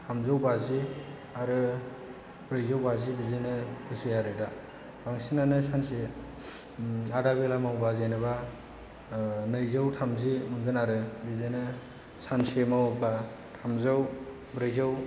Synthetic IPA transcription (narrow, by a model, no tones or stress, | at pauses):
tʰamzawbazi | aɾɯ | bɾɯjzawbazibizenɯbɯsɯjaɾɯjda | baŋsinanɯsanse | adabelamawbazenɯba | nɯjzawtʰamzimɯŋɡɯnaɾɯbizenɯ | sansemawpla | tʰamzaw | bɾɯjzaw